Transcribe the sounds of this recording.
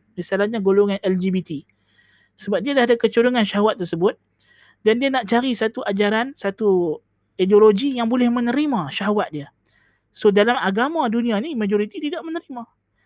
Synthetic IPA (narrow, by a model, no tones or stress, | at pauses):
misalahɲaɡoloŋanɛld͡ʒibit̪i | səbap̚diadahadakət͡ʃuɾuŋanʃaɦawat̪ːərsəbʊt̪̚ | dandianaʔt͡ʃaɾisat̪uʔad͡ʒaɾansat̪u | idioloɡijaŋbolɛhmə̃nəɾimãʃaɦawat̪̚dia | sodalamaɡamãdunĩanimad͡ʒoɾit̪it̪idaʔmənəɾima